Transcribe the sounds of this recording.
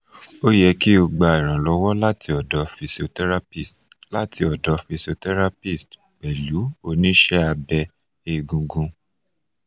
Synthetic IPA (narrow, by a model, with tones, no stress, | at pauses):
o˦jɛ˧ki˦o˧ɡ͡ba˨˧i˨ɾ̃ã˨lɔ˨˧wɔ˦la˦tʰi˧ɔ˨dɔ˨˦fi˧so˧tɛ˦ɾa˦pi˦˨stla˦tʰi˧ɔ˨dɔ˨˧fi˧so˧tɛ˦ɾa˦pi˦˨st | k͡pɛ˨lu˨˦o˦˨nĩ˦ʃɛ˦a˧bɛ˧ | e˧˨ɡũ˧ɡũ˧